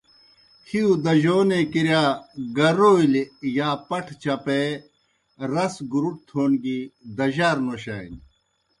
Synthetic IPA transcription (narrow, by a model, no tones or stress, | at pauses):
hiud̪ɐʑoːnekiɾjaːɡɐɾoːiljaːpɐʈʰt͡ɕɐpe | ɾɐsɡuɾuʈ̚t̪ʰoːnɡid̪ɐʑaːɾnoːɕa̰ːḭn